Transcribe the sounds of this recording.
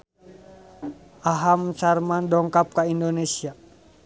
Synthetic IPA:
ʔaɦamsarmandɔŋkap̚kaindonesia

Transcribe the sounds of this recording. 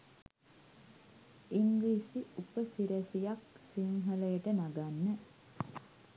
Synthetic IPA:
iŋɡisiupəsiɾæsijaksiŋɦələjəʈənaɡanːə

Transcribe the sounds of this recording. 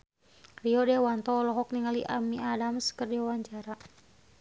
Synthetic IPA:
riɔdɛwant̪ɔːlɔɦɔk̚niŋalḭʔamiadamsə̥kərdiwawaɲt͡ʃaɾa

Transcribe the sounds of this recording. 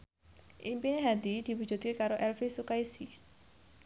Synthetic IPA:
ʔimpineɦad̪id̪̥i̤wu̥d͡ʒṳt̪̚kekaɾoʔɛlfisukaisi

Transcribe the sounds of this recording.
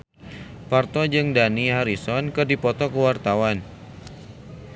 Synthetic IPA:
part̪ɔd͡ʒɨŋdaniɦaɾisɔnkɨrdipɔt̪ɔkəwart̪awan

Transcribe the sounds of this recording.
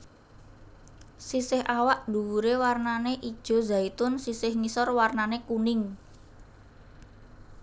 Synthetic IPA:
sisɪhawaʔd̪uuɾewarnaneʔid̥ʒ̥ɔ̤zait̪ʊnsisɪhŋisɔrwarnanekunɪŋ

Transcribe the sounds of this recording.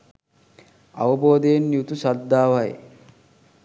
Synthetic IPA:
a̰ʋɐboːd̪ejenːjut̪usad̪ːaːʋɐj

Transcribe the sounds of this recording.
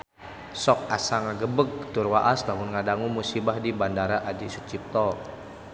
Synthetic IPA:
sɔk̚asaŋaɡəbəɡ̚t̪urwaʔastamʊnŋadaŋumusibahdibandaɾaʔadisut͡ʃip̚t̪ɔ

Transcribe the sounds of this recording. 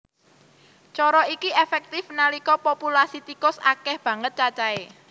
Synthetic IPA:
t͡ʃɔɾɔikiefɛk̚t̪ɪfnalikɔpopulasit̪ikʊsakɛhb̥ä̤ŋət̪̚t͡ʃat͡ʃae

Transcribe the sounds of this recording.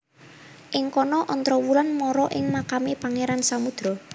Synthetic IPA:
ʔɪŋkɔnɔʔɔnt̪ɾɔwulanmɔɾɔʔɪŋmakamepaŋeɾansamud̪̥ɾɔ

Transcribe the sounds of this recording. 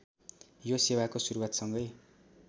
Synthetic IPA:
josewakosuɾuwat̪sʌŋɡʌj

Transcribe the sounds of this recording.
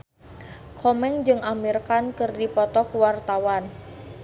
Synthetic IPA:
kʰɔmɛŋd͡ʒɨŋʔamirkankɨrdipɔt̪ɔkuwart̪awan

